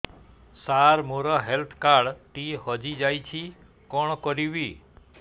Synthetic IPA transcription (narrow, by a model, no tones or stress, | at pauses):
saɾmoɾɔɦelt̪ʰkaɽʈihɔd͡ʒid͡ʒajt͡ʃʰi | kɔɳ̃kɔɾiʋi